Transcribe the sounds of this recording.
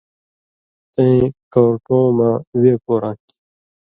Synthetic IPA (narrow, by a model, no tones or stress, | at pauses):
t̪ẽĩkoɾʈõːmãːweːkoːɾaki̥